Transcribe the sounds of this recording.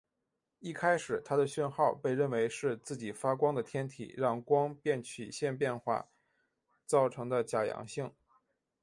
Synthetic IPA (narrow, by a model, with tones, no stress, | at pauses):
i˥˩kʰa˥ɪʂɻ̩˨˩t̪ʰa˥d̪ə˨ɕɛ˥˧nxɑ˥˧ʊpe˥˧ɪɻə˥˩nwe˧˥ɪʂɻ̩˥˧t͡sɹ̩˥˩t͡ɕi˨˩fa˥kwɑ˥ŋd̪ə˨t̪ʰjɛ˥nt̪ʰḭ˨˩ɻɑ˥˩ŋkwɑ˥ŋpjɛ˥˩nt͡ɕʰy̰˨˩ɕjɛ˥˧npjɛ˥˧nxwa̰˥˩ | t͡sɑ˥˩ʊʈ͡ʂʰɤ˧˥ŋd̪ə˧t͡ɕja˨˩jɑ̰˧˥ŋɕi˥˩ŋ